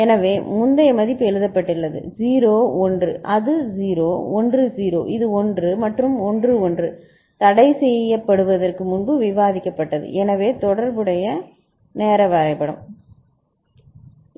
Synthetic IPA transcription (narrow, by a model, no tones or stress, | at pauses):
ɛnɐʋeːmʊnd̪ɐjɐmɐðɪpːɛɻɯðɐpːɐʈːɪɭːɐðɯ̰ziːɾoːɔndrɯ̰ʔɐðɯziːɾoːɔndrɯd͡ʒiːɾo̰ːʔɪðɯɔndrɯmɐʈrɯmɔndrɯɔndrɯ | t̪ɐɽɐɪsɛjːɐpːɐɽɯʋɐðɐrkɯmʊnbɯʋɪʋaːðɪkːɐpːɐʈːɐðɯ̰ʔɛnɐʋeːt̪ɔɽɐɾbɯɽɐjɐ | neːɾɐʋɐɾɐɪpːɐɽɐ̰m